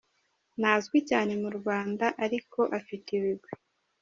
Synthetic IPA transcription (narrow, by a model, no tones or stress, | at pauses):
naːzɡwicaːne̞muɾɡwaːndaʔaɾiko̞ʔafitiβiɡwe